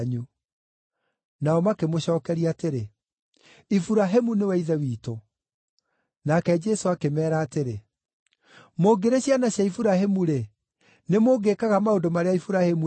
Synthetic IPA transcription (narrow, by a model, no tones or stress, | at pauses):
ɲu | naɔmakemoɕɔːkɛɾiateɾe | ifuɾaɦemunewɛiðɛwiːto | nakɛd͡ʒɛsoakemɛːɾaːteɾe | moɡeɾeɕjanaɕjaifuɾaɦemuɾe | nemoɡekaɣamaodomaɾeaifuɾahemu